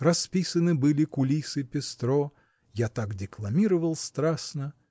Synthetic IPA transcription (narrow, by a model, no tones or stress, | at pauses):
rɐspʲisənɨbɨlʲɪkʊlʲisɨpʲɪst̪ɾo | jat̪akdʲɪklˠɐmʲiɾəvəlˠst̪ɾasnə